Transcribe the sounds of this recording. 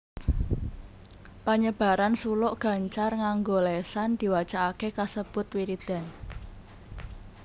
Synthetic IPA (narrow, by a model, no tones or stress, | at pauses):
paɲəb̥a̤ɾansulʊʔɡ̥a̤ɲt͡ʃarŋaŋɡolesand̪̥i̤wḁt͡ʃaʔakekasəb̥ʊ̤t̪wiɾid̪̥a̤n